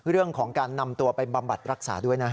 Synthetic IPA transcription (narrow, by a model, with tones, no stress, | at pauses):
ɾɯ˥˩əŋkʰɔː˩˦ŋkaː˧nːa˧mt̪u˧ɐpa˧nba˧mba˨˩t̪̚ɾa˦˥k̚sa̰ː˩˦du˥˩əjna˦˥